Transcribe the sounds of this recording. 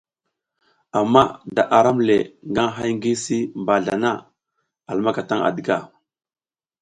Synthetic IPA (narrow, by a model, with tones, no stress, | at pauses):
a˨mːa˦da˨ʔa˨ɾa˦mle˨ŋɡa˦ŋɦa˦jŋ˦ɡi˦si˦mba˨ɮa˨na˦˨ | a˨lma˦ka˨ta˦ŋa̰˨də˨ɡa˨